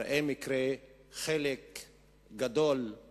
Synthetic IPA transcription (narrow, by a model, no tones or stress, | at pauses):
ʔemikɾe | χelek | ɡad̪ol